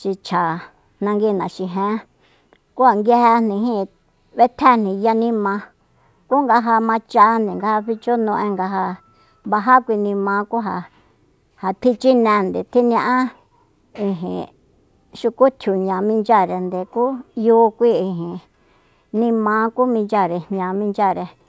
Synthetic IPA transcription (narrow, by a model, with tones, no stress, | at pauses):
ʃi˧t͡ʃʰa˨ | nã˧ŋɡi˧˨nã˨ʃi˧ɦẽ˦ | ku˦ha˧˨ŋɡe˧he˧nnĩ˧ɦĩ˦˧ | βe˦t̪ʰe˦n̥nĩ˨ja˧nĩ˦mã˧ | ku˦ŋɡa˧ɦa˧mã˧t͡ʃa˧nd̪e˨ŋɡa˧ha˧ɸi˧t͡ʃo˦nũ˧ʔẽ˧ŋɡa˧ɦa˧ | βa˧ɦa˦kʷi˧nĩ˧mã˧˦ku˦ɦa˧ | ha˨t̪ʰi˧t͡ʃi˦nẽ˧˨nd̪e˨t̪ʰi˦n˧ã˧ʔã˦ | i˧ɦḭ̃˨ | ʃu˧ku˦t̪ʰju˨ɲã˨mĩ˧nd͡ʒa˦˨ɾe˧nd̪e˨ku˦juː˦˧˦kʷi˦i˧ɦĩ˨ | nĩ˧mã˧˦ku˦mĩ˧nd͡ʒa˦˨ɾe̥˨ɲã˨mĩ˧nd͡ʒa˦˨ɾe˧